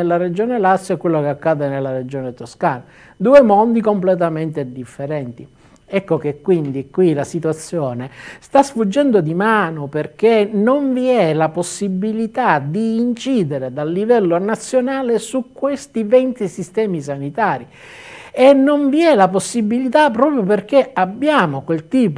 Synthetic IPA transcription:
elːaɾed͡ʒoːnelasːɛkːwelːokeakːaːd̪enelːaɾed͡ʒɔːnet̪oskaːna | d̪uːemond̪ikomplet̪ament̪ed̪ifːeɾɛnt̪i | ɛkːokekːwind̪ikːwilasit̪wat̪sːjɔːnest̪asfud͡ʒːɛnd̪od̪imaːnoperkenoɱviɛlaposːibːilit̪ad̪iːnt͡ʃiːd̪eɾed̪alːivɛlːonat̪sːjonaːlesukːwest̪ivɛnt̪isist̪ɛːmis̬anit̪aːɾi | enːoɱviɛlaposːibːilit̪apːɾɔːpɾjoperk̟eabːjaːmokwelt̪iːp

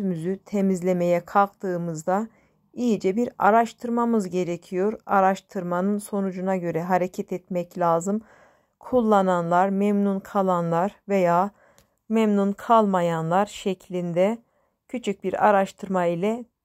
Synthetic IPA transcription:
ymyzyt̪ʰemizlʲe̞me̞jɛkʰalˠk̚t̪ʰɯːmɯzd̪a | ijid͡ʒɛbiɾa̰ɾaʃt̪ʰɯɾmamɯzɟe̞ɾecʰijo̞ɾaɾaʃt̪ʰɯɾmanɯnso̞nud͡ʒunaɟø̞ɾɛɦaɾe̞cʰɛt̪ʰɛt̪mɛclʲaːzɯm | kʰulˠːananlˠaɾmɛmnunkʰalˠanlˠaɾve̞jaː | mɛmnunkʰalˠmajanlˠaɾʃɛcʰlʲind̪ɛ | cʰyt͡ʃʰyc̚biɾa̰ɾaʃt̪ʰɯɾmailʲɛ

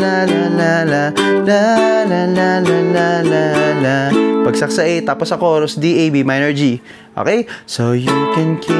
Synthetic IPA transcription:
lalalalalalalalalalalapɐɡsɐk̚sɐʔɛt̪aːposɐkoːɾosd̪iʔejbimajnɐɹd͡ʒi | ʔo̰ːkɛjsowjukɛ̃nkː

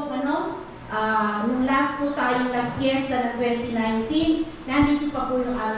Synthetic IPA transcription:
ɐno | ʔanʊŋlɐasput̪aːjoŋnɐɡ̚pɛɾsɐnɐt̪wɛnt̪ɪnajnt̪inːɐhɐnd̪iːt̪ʊpɐpujʊŋʔaːɾ

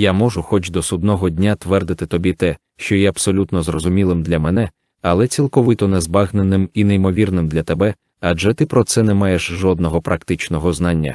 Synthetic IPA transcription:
jamɔʐʊxɔt͡ʃd̪ɔsʊd̪̚nɔɦɔdʲnʲat̪ʋɛrd̪ɪt̪ɪt̪ɔbʲit̪ɛ | ʃt͡ʃɔjɛɐbsɔlʲut̪nɔzrɔzʊmʲilˠɪmd̪lʲɐmɛnɛ | ɐlˠɛt͡sʲilˠkɔʋɪt̪ɔnɛzbɑɣnenɪmineimɔʋʲirnɪmd̪lʲɐt̪ɛbɛ | ɐd͡ʒɛt̪ɪpɾɔt̪sɛnɛmɑjeʃʒɔd̪̚nɔɦɔpɾʔɐkt̪ɪt͡ʃnɔɦɔznɑnʲːɐ̰

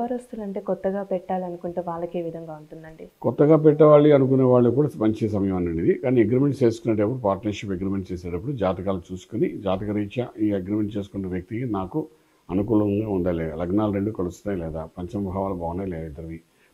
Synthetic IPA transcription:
ɐɾost̪unɐɳʈeːkɔt̪ːɐɡaːpɛʈːaːliɐnukuɳʈuːʋaːɭːɐke̞ːʋid̪ʱɐŋɡaːuɳʈund̪ɐɳɖikɔt̪ːɐɡaːpɛʈːɐʋaːɭiɐnuk̬uneːʋaːɭːɐkuːɽaːmɐɲt͡ʃisɐmɐjɐmɐnːɐɳɖid̪ikaːnieɡɾiːme̞ɳʈt͡ʃe̞ːsukunːɐʈɐpːuɽupaːɾʈnɐɾʂipeɡɾiːmeɳʈt͡ʃeːs̬eːʈɐp̬ːuɽud͡ʒaːt̪ɐkaːlut͡ʃuːsu̥konid͡ʒaːt̪ɐkɐɾiːt͡ʃɐʔiːɐɡɾiːme̞ɳʈ̚t͡ʃeːs̬u̥kunːɐʋjɐk̚t̪ikinaːku | ɐnukuːlɐŋɡaːund̪aːjilɛalɐɡnaːlɐɾeɳɖukɐlust̪unaːjlɛːd̪aːpɐɲt͡ʃɐmbʱaːʋaːlɐbʱɐːʋɐnɐjlɛːɐt̪ɐɾɐd̪i

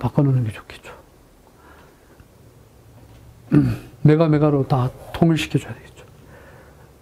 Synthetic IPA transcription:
pak͈anonɯnɡet͡ɕo̥kʰe̥t̚t͡ɕo̥ | meɡameɡaɾot̪atʰoŋiɭɕʰi̥kʰit͡ɕojad̪eɡe̥t̚t͡ɕ͈o̥ | k

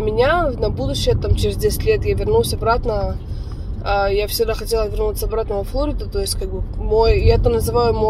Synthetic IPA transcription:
mʲɪnʲanɐbud̪ʊɕːɪjət̪amt͡ɕɪɾʲɪzʲdʲesʲɪ̥tʲlʲet̪javʲɪrnulˠsʲɐbɾat̪nə | ajafsʲɪɡd̪axɐtʲe̞lˠəvʲɪrnut̪səɐbɾat̪nəvəflˠoɾʲɪd̪ʊt̪o̞ɪsʲtʲkaɡ̚bɨmojjaɛt̪ənəzɨvajʊmo

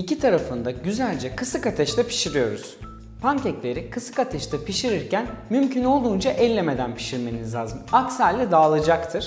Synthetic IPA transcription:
icʰit̪ʰaɾafɯnd̪aɟyzælʲd͡ʒɛkʰɯsɯkat̪ʰɛʃt̪ʰɛpʰi̥ʃiɾijo̞ɾuz̥ | pʰaŋcɛclʲe̞ɾikʰɯsɯ̥kat̪ʰɛʃt̪ʰɛpʰiʃiɾiɾcænmymcʰyno̞lˠd̪uːnd͡ʒaʔɛlʲːeme̞d̪ænpʰi̥ʃiɾme̞nizlʲaːzɯmaksæɾʲlːʲɛd̪aːlˠɯd͡ʒakt̪ʰɯɾ̥

